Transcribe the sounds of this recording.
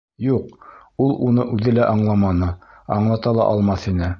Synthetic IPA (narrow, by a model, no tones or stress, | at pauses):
juq | ulˠunɤʔʉðɘlæʔɑɴlˠɑmɑnɤ | ɑ̰ɴlˠɑt̪ɑlˠɑ̰ʔɑlˠmɑθinɘ